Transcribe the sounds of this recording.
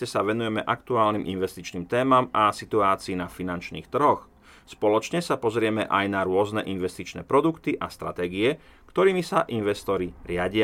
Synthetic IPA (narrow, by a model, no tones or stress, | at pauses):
ɛsaʋɛnujɛmɛʔakt̪uaːlniːmʔinʋɛst̪it͡ʃniːmt̪ɛːmamasit̪uaːt͡siːnafinant͡ʃnḭːxt̪r̩ɦɔx | spɔlɔt͡ʃɲɛsapɔzɾɪɛmɛʔajnaɾʊɔznɛʔinʋɛst̪it͡ʃnɛ̰ːpɾɔd̪ukt̪iʔast̪ɾa̰t̪ɛːɡiɛkt̪ɔɾiːmisaʔinʋɛst̪ɔɾiɾɪaɟɪa